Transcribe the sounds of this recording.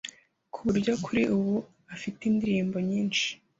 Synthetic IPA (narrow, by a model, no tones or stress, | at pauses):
kʰuβuɾɟokʰuɾiʔuβu | afitindiɾiːmbo̞ɲiːnʃi̥